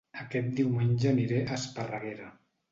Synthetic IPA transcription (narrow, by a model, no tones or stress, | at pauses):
əkɛt̪̚d̪iwmenʲʒəniɾeʔəspərəɣeɾa